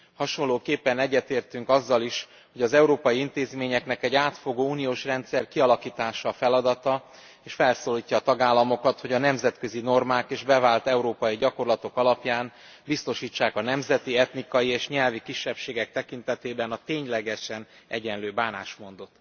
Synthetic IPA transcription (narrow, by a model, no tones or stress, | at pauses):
hɒʃo̞loːkeːpːɛnɛɟːɛt̪eːrt̪yŋkɒzːɒliʃ | ho̞ɟɒzɛuɾoːpɒjiint̪eːzmeːɲɛknɛkɛɟaːt̪fo̞ɡoːuːnijoːʃrɛnt̪sɛrkiɒlɒkiːt̪aːʃɒfɛlɒd̪ɒt̪ɒ | eːʃfɛlsoːliːcːɒːt̪ɒɡaːlːɒmo̞kɒt̪ho̞ɟɒnɛmzɛt̪kø̞zino̞rmaːkeːʒbɛvaːlt̪ɛuɾoːpɒjiɟɒko̞rlɒt̪o̞kɒlɒpjaːn | bist̪o̞ʃiːt͡ʃːaːkɒnɛmzɛt̪iɛt̪nikɒjieːʃɲɛlvikiʃːɛpʃeːɡɛk̚t̪ɛkint̪ɛt̪eːbɛnɒt̪eːɲlɛɡɛʃɛnɛɟɛnløːbaːnaːʃmo̞nd̪o̞t̪